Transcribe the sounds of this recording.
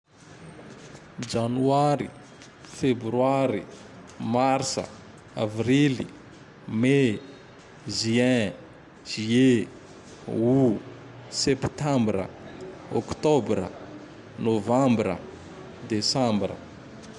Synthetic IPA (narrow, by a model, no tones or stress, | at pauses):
d͡ʒanuaɾḭ | febɾyaɾi | marsə̰ | a̰vrili | me | ziɛ̃ | ʒ̥ie | u | sɛpt̪ãmbrə̰okt̪obɾə̰ | novãmbɾə̰ | d̪esãmbrə̰